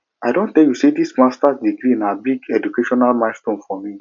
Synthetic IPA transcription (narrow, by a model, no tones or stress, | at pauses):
aɪdõntːɛljusidismastasdikɾiĩnabiɡɛdukeʃɔnalmãɪtstõnfɔmi